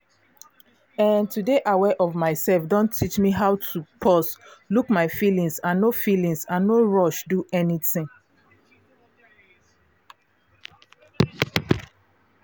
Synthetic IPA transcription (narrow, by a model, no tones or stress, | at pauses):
ãntudeʔawɛʔɔvmaɪsɛlfdɔ̃ntʰit͡ʃmiɦaʊtʰupʰɔslukmaɪfilĩŋsãnːofilĩŋsãnːoɹɔʃduʔɛniθĩŋ